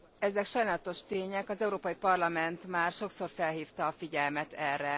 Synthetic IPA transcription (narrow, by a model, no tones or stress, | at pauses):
ɛzɛkʃɒjnaːlɒt̪o̞ʃt̪eːɲɛkɒzɛuɾoːpɒjipɒrlɒmɛnt̪maːrʃo̞kso̞rfɛlɦiːft̪ɒːfiɟɛlmɛt̪ɛrːɛ